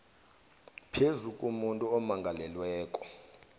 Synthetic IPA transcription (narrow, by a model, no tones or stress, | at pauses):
pʰezukʼumuntʼuɔmaŋɡʱalɛlwɛːkʼɔ̥